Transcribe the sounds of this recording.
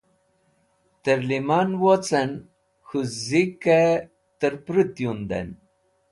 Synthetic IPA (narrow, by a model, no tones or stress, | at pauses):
t̪əɾlimanwot͡sən | xuzike | t̪əɾpɾit̪jund̪ḛn